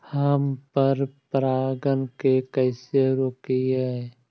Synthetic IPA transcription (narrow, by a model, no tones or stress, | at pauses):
həmpəɾpɾaːɡənkekɛːseɾokiɦɛ